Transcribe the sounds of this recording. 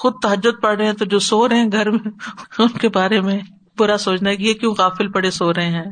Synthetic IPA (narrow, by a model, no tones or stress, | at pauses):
xʊd̪̚t̪ɐɦəd͡ʒːʊd̪̚pɐɽɾəeɦɛ̃t̪od͡ʒoːsoːɾɦɛ̃ɡʱɐɾmẽʊnkebaːɾemẽ | bʊɾasoːt͡ʃnaɦɛkijekjũːɣaːfɪlpɐɽesoːɾəɦẽɦɛ̃ː